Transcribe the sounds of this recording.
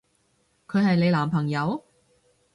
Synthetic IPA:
kʰɵ˨˧ɥɦɐ˨jle˨˧laː˨˩mpʰɐ˨˩ŋjɐ˨˧w

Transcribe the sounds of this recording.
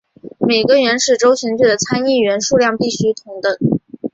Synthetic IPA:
me˨˩ɪɡə˧ɥɛ˧˥nʂɻ̩˥˩ʈ͡ʂo˥ʊɕi˧˥ŋt͡ɕy˥˩d̪ə˩t͡sʰa˥ni˥˩ɥɛ˧˥nʂu˥˧ljɑ˥˧ŋpi˥˩ɕy˥t̪ʰʊ˧˥ŋt̪ə˥˩ŋ

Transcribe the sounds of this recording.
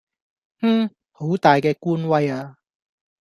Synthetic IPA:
m̩˥˩ | ho˨˥wt̪aː˨jkɛː˧kuː˥nwɐ˧jaː˧

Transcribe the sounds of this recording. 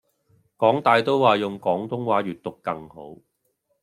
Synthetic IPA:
kɔː˨˥ŋt̪aː˨˧jt̪o˥wwaː˨jʊ˨ŋkɔː˨˥ŋt̪ʊ˥ŋwaː˨˥ɥyː˨t̚t̪ʊ˨kkːɐ˧ŋho˨˥w

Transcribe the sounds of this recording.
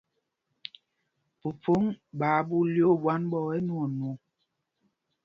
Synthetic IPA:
pu˨fo˦ŋɓaː˨˦bu˦ljo˦˨bwa˦nbɔ˦˨ɛ˦nu˦o˨nu˨

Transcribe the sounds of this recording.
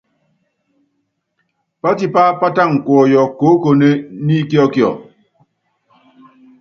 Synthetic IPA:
pa˦ti˦pa˦pa˦ta˦˨ŋ̩˨kwɔ˨jɔ˨ko˨˦ko˨ne˦ni˦kɔ˦kjɔ̰˨

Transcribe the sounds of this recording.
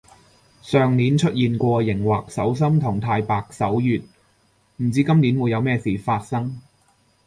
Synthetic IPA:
sœː˨ŋniː˨˥nt͡ʃʰɵ˥t̚jiː˨nkʷɔː˧jɪ˨˩ŋwaː˨k̚sɐ˨˥ws̬ɐ˥mt̪ʰʊ˨˩ŋt̪ʰaː˧jpaː˧k̚sɐ˨˥wjyː˨t̚ | m̩˨˩t͡siː˨˥kɐ˥mni˨˥nwu˨˧jɐ˨˧wmɛː˥siː˨faː˧t̚sɐ˥ŋ

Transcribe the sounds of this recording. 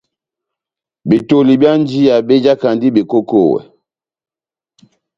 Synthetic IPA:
bi˨to˨li˨bja˦n˦d͡ʒi˦ja˨be˦d͡ʒa˦ka˨ndi˦be˨ko˦ko˦˨wɛ̰˨

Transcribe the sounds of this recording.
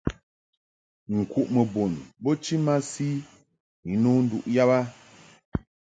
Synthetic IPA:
ŋ̩˨ku˨ʔmə˨bo˨nbo˦t͡ʃi˦ma˦si˦ | i˨˦no˦n̩˦dṵ˨ʔja˦ba˦

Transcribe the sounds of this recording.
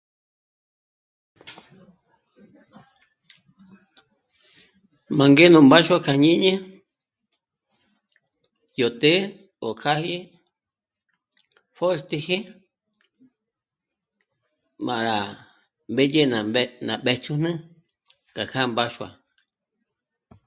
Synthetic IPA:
mã˨ŋɡe˦nũ˨mba˦ʃwa˧kʰa˧˨ɲĩ˦ɲẽ˦ | jo˨t̪e˦ | o˨kʰa˦hi˦ | fo˦st̪i˧he˦ | mã˨ʔɾa˨ | mbe˦d͡ʒe˦na˨nã˨ɓe˧t͡ʃu˦nɨ̃˦ | ka˨kʰa˦mba˦ʃwa̰˨

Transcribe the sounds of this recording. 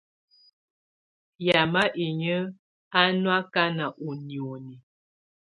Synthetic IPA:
ja˨ma˦ʔe˨ɲə˦ | a˦nwa˦ka˦na˨ʔo˨njo˨ni˨

